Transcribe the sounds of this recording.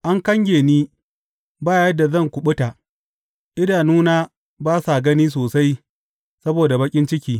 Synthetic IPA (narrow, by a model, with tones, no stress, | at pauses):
ʔa˦ŋkɐ˦ŋɡʲeː˨niː˦ | baː˦˨jɐ˦da˨zɐ˦˨ŋkʷʊ˨ɓʊ˦ta˨ | ʔɪ˦daː˨nuː˦naː˦ | baː˦sa˨ɡɐ˦niː˦s̬oː˨sa˦j | sɐ˦boː˨da˨bɐ˦kʲʼɪ˦nt͡ʃɪ˦kʲiː˦